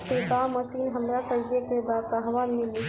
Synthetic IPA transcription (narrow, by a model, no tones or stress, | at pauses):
t͡ʃʰiɡaməsinɦəmɾakəɾijekebadkaɦəʋanmili